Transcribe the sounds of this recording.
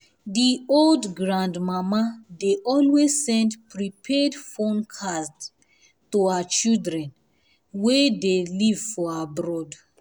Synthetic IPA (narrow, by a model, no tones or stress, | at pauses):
dioldɡɹãndmamadeʔɔlwezsɛ̃ndpɹipʰɛdfõnkʰast | tuaat͡ʃildɹɛ̃n | wedelivfɔabɹɔd